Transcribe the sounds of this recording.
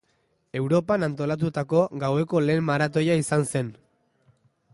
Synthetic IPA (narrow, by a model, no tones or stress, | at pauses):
e̞wɾo̞panant̪o̞lat̪̬ut̪ako̞ɡawe̞ko̞le̞ːmmaɾat̪o̞jaisanse̞n